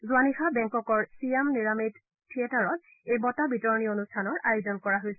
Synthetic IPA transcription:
zuanixabɛŋkɔkɔɹsiemniɹamid | tʰːietaɹɔt | ejbɔtabitɔɹnionustʰanɔɹajozɔnkɔɹaɦojsɛ

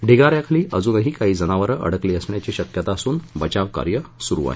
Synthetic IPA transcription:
ɖʱiɡaɾjakʰaliːʔəd͡zuːnəɦiːkaɦiːd͡zənaʋəɾəʔə̰ɽ̤əkleəsɳjat͡ɕiɕəkjət̪aəsuːnbət͡ɕaʋka̰ɾjəsuɾṵa̰ɦe

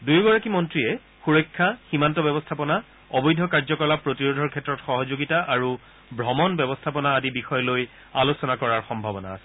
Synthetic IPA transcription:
dujɡɔɹakimɔntɹiɛ | xuɹɔjkʰːaximantɔbɛbɔstʰapɔna | ɔbɔjdʱɔkaɹzɔkɔlapɹotiɹodʱɔɹkʰɛtːɹɔtxɔɦɔzoɡitaʔaɹu | bʱɹɔmɔnbɛbɔstʰapɔnaːdibixɔjɔloj | alosɔnakɔɹaɹxɔmbʱabɔna̰ːsɛ

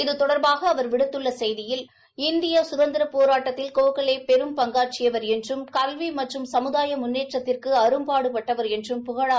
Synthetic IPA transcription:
ɪðɯt̪ɔɽɐɾbaːɣɐːʋɐɾʋɪɽɯt̪ːɯɭːɐsɛjðɪjɪl | ɪnd̪ɪjɐsʊðɐnd̪ɪɾɐpoːɾaːʈːɐt̪ːɪlkoːkɐɭeːpɛɾɯmpɐŋɡaːɾt͡ʃɪjɐʋɐɾɛndrɯmkɐlʋimɐʈrɯmsɐmɯðaːjɐmʊnːeːʈrɐt̪ːɪrkɯɐɾɯmpaːɽɯpɐʈːɐʋɐɾɛndrɯmpʊɣɐɻa

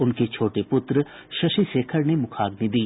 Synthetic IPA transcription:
ʊnket͡ʃʰoːʈepʊt̪ɾə | ʃɐʃiseːkʰəɾnemʊkʰaːɡnid̪iː

